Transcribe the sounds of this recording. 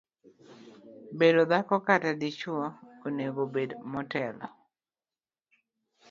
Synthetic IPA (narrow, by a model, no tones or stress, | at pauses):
bedod̪akɔkatadit͡ʃwɔoneɡobedmɔtɛlɔ̰